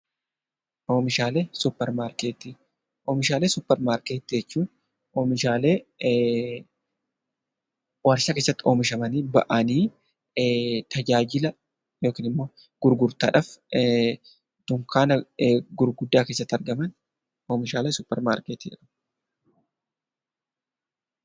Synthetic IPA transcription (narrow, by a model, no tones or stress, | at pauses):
ʔo̞ːmɪʃaːle̞ːsʊpːɛɾmaːɾkeːt̪iː | ʔo̞ːmɪʃaːleːsʊpːɛɾmaːɾkeːt̪ːd͡ʒɛt͡ʃːuːn | ʔoːmɪʃaːle̞ː | wɐɾʃaːkeːsːɐt̪ːɪo̞ːmɪʃ̬ɐmɐniːbɐ̰ʔɐniː | t̪ɐd͡ʒaːd͡ʒɪlɐ | joːkiːnɪmːo̞ː | ɡ̥ʊɾɡʊɾt̪a̰ːᶑaf | t̪ʊŋkaːnɐɡʊɾɡʊd̪ːaːke̞ːsːɐt̪ːɐɾɡɐmɐn | o̞ːmɪʃaːle̞ːsʊpːɛ̰ɾma̰ːɾkeːt̪iːd͡ʒɛ̰kɐm